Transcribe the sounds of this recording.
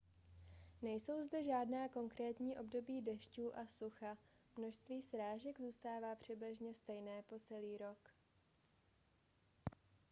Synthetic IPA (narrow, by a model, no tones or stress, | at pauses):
nɛjso̞wzdɛʒaːdnaːko̞ŋkɾɛːt̪ɲiːʔo̞bdo̞biːdɛʃcuːʔasuxa | mno̞ʃst̪viːsɾaːʒɛɡzuːst̪aːvaːpr̝̥ɛblɪʒɲɛst̪ɛjnɛːpo̞t͡sɛliːɾo̞k